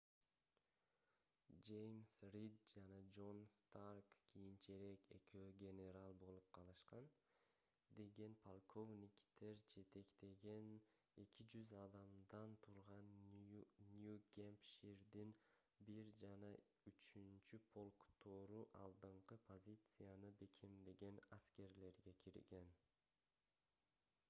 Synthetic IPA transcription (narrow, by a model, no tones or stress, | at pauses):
d͡ʒe̞jmsrid̪̚d͡ʒɑnɑd͡ʒo̞nst̪arkkːijint͡ʃeɾe̞ke̞̰kʰeɡʲe̞ne̞ɾalˠbo̞lˠup̚qʰɑlˠɯʃqɑn | d̪e̞ɡe̞npʰolˠkʰo̞vnʲikt̪ʰe̞ɾd͡ʒe̞t̪e̞kt̪e̞ɡe̞n | e̞kʰid͡ʒyzɑd̪ɑmd̪ɑnt̪ʰuɾʁɑnː | juɡʲempʃiɾd̪in | biɾd͡ʒɑnɑ | yt͡ʃynt͡ʃypʰo̞lˠkt̪ʰoɾuʔɑ̰lˠd̪ɯɴqɯpʰo̞zʲit̪sɨjanɯbe̞kʰemd̪eɡe̞naskʲe̞ɾle̞ɾɡe̞kʲʰiɾɡe̞n